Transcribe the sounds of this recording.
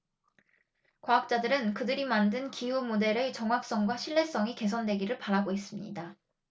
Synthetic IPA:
kwaːk̚t͡ɕ͈adɯɾɯnkɯdɯɾimandɯnkʰijumode̞ɾet͡ɕʌŋɦwak̚s͈ʌŋɡwaɕʰiɭːe̞s͈ʌŋike̞s̬ʰʌndwe̞ɡiɾɯɭpaɾaɡoɦes͈ɯmɲḭda

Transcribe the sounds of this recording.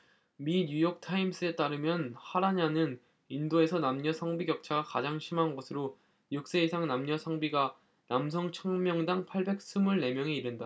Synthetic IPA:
miɲujʌk̚tʰaims͈ɯe̞t͈aɾɯmjʌnhaɾaɲanɯn | indoe̞sʰʌnamɲʌsʰʌŋbiɡjʌk̚t͡ɕʰaɡakad͡ʑaŋɕʰimɦanɡʌsʰɯɾo | juk̚s͈e̞isʰaŋnamɲʌsʰʌŋbiɡa | nams̬ʰʌŋt͡ɕʰʌŋmjʌŋdaŋpʰaɭbe̞k̚s͈umuɭne̞mjʌŋeiɾɯnda

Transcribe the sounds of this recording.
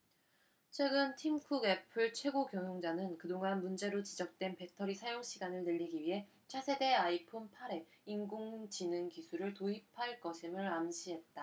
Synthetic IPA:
t͡ɕʰwe̞ɡɯntʰimkʰuɡe̞pʰɯɭt͡ɕʰwe̞ɡokjʌŋjoŋd͡ʑanɯnkɯdoŋanmund͡ʑe̞ɾot͡ɕid͡ʑʌk̚t͈we̞npe̞tʰʌɾisʰajoŋɕʰiɡanɯɭnɯʎːiɡiɥiɦe̞ | t͡ɕʰasʰe̞de̞aipʰonpʰaɾe̞inɡoŋd͡ʑinɯnkisʰuɾɯɭtoɦipʰaɭk͈ʌɕʰimɯɾamɕʰiɦe̞t̚t͈a

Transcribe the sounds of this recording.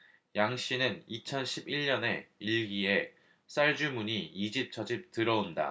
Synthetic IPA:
jaŋɕ͈inɯnit͡ɕʰʌnɕʰibiɭɲʌne̞iɭɡie̞ | s͈aɭd͡ʑumuɲiid͡ʑip̚t͡ɕʰʌd͡ʑip̚tɯɾʌonda̰

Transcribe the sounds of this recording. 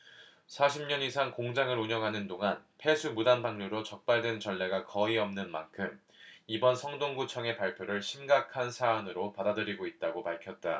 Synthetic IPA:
sʰaɕʰimɲʌnisʰaŋkoŋd͡ʑaŋɯɾuɲʌŋɦanɯndoŋanpʰe̞sʰumudanbaŋɲuɾot͡ɕʌk̚p͈aɭdwe̞nt͡ɕʌɭːeɡakʌiʌmnɯnmankʰɯm | ibʌnsʰʌŋdoŋɡut͡ɕʰʌŋe̞paɭpʰjoɾɯɭɕʰimɡakʰansʰaːnɯɾopadadɯɾiɡoit̚t͈aɡopaɭkʰjʌt̚t͈a

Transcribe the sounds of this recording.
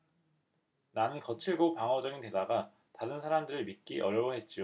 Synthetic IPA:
nanɯnkʌt͡ɕʰiɭɡopaŋɦʌd͡ʑʌɡinte̞daɡa | taɾɯnsʰaɾamdɯɾɯɭmik͈iʔʌɾjʌwoɦe̞t̚t͡ɕ͈io

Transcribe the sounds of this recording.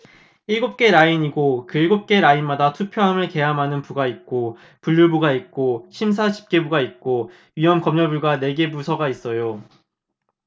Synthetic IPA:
iɭɡop̚k͈e̞ɾaiɲiɡokɯɭɡop̚k͈e̞ɾainmadatʰupʰjoɦamɯɭke̞jamɦanɯnpuɡait̚k͈o | puʎːuɭbuɡait̚k͈oɕʰimsʰat͡ɕi̥p̚k͈e̞buɡait̚k͈o | ɥiɦʌmkʌmɲʌbuɭɡane̞ɡe̞busʰʌɡais͈ʌjo

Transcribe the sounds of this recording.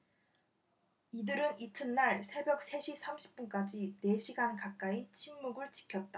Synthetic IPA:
idɯɾɯnitʰɯnːaɭsʰe̞bjʌk̚s͈ʰe̞ɕʰisʰamɕʰi̥p̚p͈unk͈ad͡ʑine̞ɕʰiɡankak̚k͈ait͡ɕʰimːuɡɯɭt͡ɕi̥kʰjʌt̚t͈a

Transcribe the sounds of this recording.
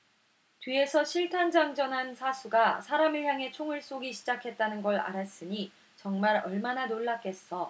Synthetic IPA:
tɥie̞sʰʌɕʰiɭtʰand͡ʑaŋd͡ʑʌnɦansʰasʰuɡasʰaɾamɯɭçjaŋe̞t͡ɕʰoŋɯɭs͈oɡiɕʰid͡ʑakʰe̞t̚t͈anɯnɡʌɭa̰ɾas͈ɯɲi | t͡ɕʌŋmaɾʌɭmananoɭːak͈ʰe̞s͈ʌ

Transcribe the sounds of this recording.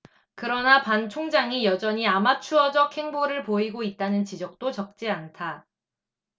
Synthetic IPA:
kɯɾʌnapant͡ɕʰoŋd͡ʑaŋijʌd͡ʑʌɲiamat͡ɕʰuʌd͡ʑʌkʰhe̞ŋboɾɯɭpoiɡoit̚t͈anɯnt͡ɕid͡ʑʌk̚t͈ot͡ɕʌk̚t͡ɕ͈iantʰa

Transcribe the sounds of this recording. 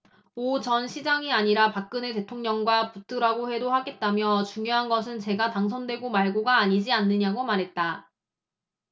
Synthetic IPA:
ot͡ɕʌnɕʰid͡ʑaŋiaɲiɾapak̚k͈ɯnete̞tʰoŋɲʌŋɡwaput͈ʰɯɾaɡoɸe̞dohaɡe̞t̚t͈amjʌt͡ɕuŋjoɦanɡʌs̬ʰɯnt͡ɕe̞ɡataŋs̬ʰʌndwe̞ɡomaɭɡoɡaːɲid͡ʑianːɯɲaɡomaɾɦe̞t̚t͈a

